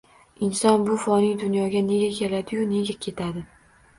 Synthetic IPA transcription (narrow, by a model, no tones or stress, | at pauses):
ɪnsɒnbʊfɒnɪŋd̪ʊnjɒɡʲane̞ɡʲakʲʰe̞lad̪ɪjʊne̞ɡʲakʲʰe̞t̪ʰad̪ɪ